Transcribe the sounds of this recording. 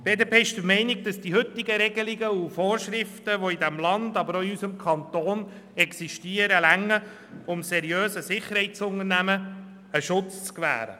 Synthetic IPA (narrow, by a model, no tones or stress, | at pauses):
b̥eːd̪eːpeːɪʃd̪əmɛɪnɪɡ̚d̥ɑsd̥iɦʏt̪ːɪɡəɾɛɡ̥əliɡəufoːɾʃɾɪft̪əʋoid̪æmlɑnd̥̪ɑbəɾoiysəmkʰɑnt̪oːn | ɛksiʃtiəɾəlæŋːə | ʊmsɛɾjøːsəsɪχːəɾhɛɪtt͡sʊnəɾnæmə | əʃʊt͡st͡skʋæ̰ːɾə̰